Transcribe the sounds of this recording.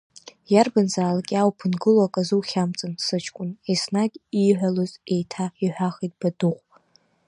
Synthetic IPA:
jarbanzaːlakʲʼawpʰɨnɡɨlakʼazuwχʲamt͡sʼansɨt͡ʃʰkʷʼʊnesnaɡʲiħʷaloze̞jtʰaiħʷᶣaχitʼb̥adɨχʷ

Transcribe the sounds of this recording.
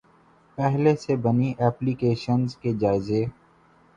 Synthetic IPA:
pɛɦlesebɐniʔɛːplikeːʃənzked͡ʒaːɪze

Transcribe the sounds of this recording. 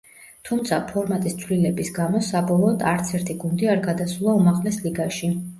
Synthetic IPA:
t̪ʰumt̪sʰapʰɔɾmat̪ʼist̪sʰvlilɛbisɡamɔsabɔlˠɔːd̪aɾt̪sʰɛɾt̪ʰiɡund̪iaɾɡad̪asulˠaumaʁlɛsliɡaʃi

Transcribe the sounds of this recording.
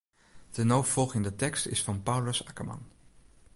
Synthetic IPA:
d̥ənowfɔlˠχɪndətɛkstɪ̰sfɑnpawləsakəmɑ̰n

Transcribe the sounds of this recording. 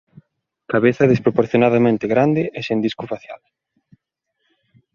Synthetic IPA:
kaβeθɐðespɾopoɾθjonaðamẽnt̪ɪɣɾand̪ɪʔesend̪iskʊfaθja̰l

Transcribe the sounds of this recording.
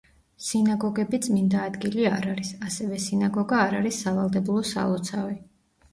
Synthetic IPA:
sinaɡɔɡɛbit̪sʼmind̪aːd̪ɡiliaɾaɾisasɛvɛsinaɡɔɡaːɾaɾisːavalˠd̪ɛbulˠɔsa̰lˠɔt̪sʰavi

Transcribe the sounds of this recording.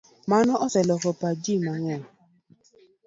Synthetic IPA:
manɔʔɔsɛlɔkɔpad͡ʒimaŋɛ̃

